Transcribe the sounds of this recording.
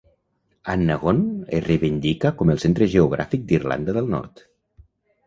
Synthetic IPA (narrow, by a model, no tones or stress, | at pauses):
anːaɣonḛrejβind̪ikəkɔməlˠsent̪ɾəʒeuɣ̞ɾa̰fik̚d̪irla̰nd̪əðəlˠnɔ̰ɾt̪